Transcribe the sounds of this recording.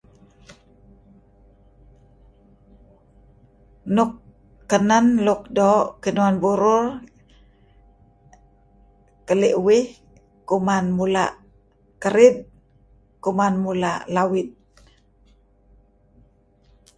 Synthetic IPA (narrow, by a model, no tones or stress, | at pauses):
nukː | ənanluk̚doʔkinuanbuɾʊr | kəliʔuwih | kumanmulaʔ | kəɾid̪̚ | kumanmulaʔlawit̪̚